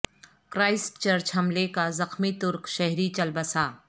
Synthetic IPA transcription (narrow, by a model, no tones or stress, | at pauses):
kɾaːɪsʈt͡ʃɐɾt͡ʃɦɐmlekazɐxmit̪ʊɾkʃɛɦɾit͡ʃɐlbəsaː